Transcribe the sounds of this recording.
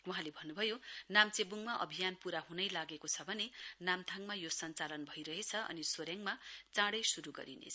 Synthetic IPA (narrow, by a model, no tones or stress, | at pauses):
wuɦãlebʱʌnːubʱʌjonamt͡sebuŋmaʔʌ̰bʱijanpuɾaɦunʌjlaɡekot͡sʰʌbʱʌnenamt̪ʰaŋmajosʌnt͡salʌnbʱʌjɾʌɦet͡sʰʌʔʌ̰nisoɾjaŋmat͡sãɽʌjsuɾuɡʌ̰ɾḭnḛt͡sʰʌ